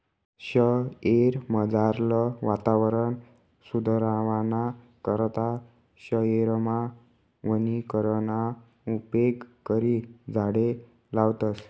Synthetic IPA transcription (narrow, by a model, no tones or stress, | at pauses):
ɕəeɾməd͡zaɾləʋat̪aʋəɾən | sud̪ʱəɾaʋana | kəɾt̪a | ɕəeɾma | ʋənikəɾəna | upeɡkəɾid͡zʱaɽe | lawt̪əs